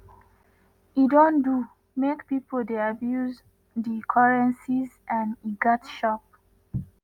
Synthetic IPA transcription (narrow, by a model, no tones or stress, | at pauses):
idõndu | mekpipʰoldeabjuz | dikʰaɹɛ̃nsizʔãniɡɔtʃɔp̚